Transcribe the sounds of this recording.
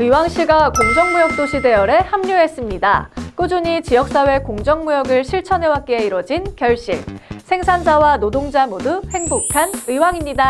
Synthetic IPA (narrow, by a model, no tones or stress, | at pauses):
ɯiwaŋɕ͈ʰiɡakoŋd͡ʑʌŋmujʌk̚t͈oɕʰide̞jʌɾe̞hamɲuɦe̞s͈ɯmɲida̰k͈ɯd͡ʑuɲit͡ɕijʌk̚s͈awe̞koŋd͡ʑʌŋmujʌɡɯɭɕʰiɭt͡ɕʰʌnɦe̞wak̚k͈eeiɾwʌd͡ʑinkjʌɭɕ͈ḭɭsʰe̞ŋsʰand͡ʑawanodoŋd͡ʑamoduhe̞ŋbokʰanɯiwaŋimɲida